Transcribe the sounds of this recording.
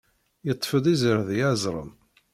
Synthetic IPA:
jət̪ˤːfəd̪ˤizəɾðjæzˤɾˤə̰m

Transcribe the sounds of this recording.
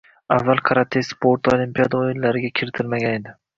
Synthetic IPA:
avːalˠqʰɑɾat̪ʰesspʰoɾt̪ʰolimpijad̪aoɪnlaɾɪɡʲakʲʰɪɾɪt̪ʰɪlmaɡʲane̞d̪ɪ

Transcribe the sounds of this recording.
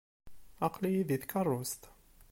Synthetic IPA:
ɑqlijiðiθkɑrˤːost̪

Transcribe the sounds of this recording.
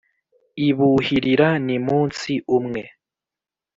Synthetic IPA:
iβuhiɾiɾanimuːnsiʔumŋe

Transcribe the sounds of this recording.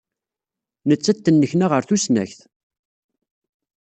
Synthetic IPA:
nət͡sːæt̪ːənːəçnaʁəɾθusnæ̰çθ

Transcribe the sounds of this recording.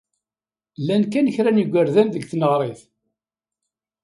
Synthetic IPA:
lːænkænəçɾæniɡʷːəɾðænðəɡθnəʁɾˤeθ

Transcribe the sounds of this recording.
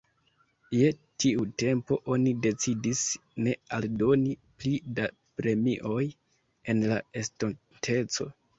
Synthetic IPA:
je̞tiute̞mpo̞ʔo̞nide̞t͡sidisne̞aldo̞niplida | pɾe̞miʔo̞j | e̞nlae̞ston | tʰe̞t͡so̞̰

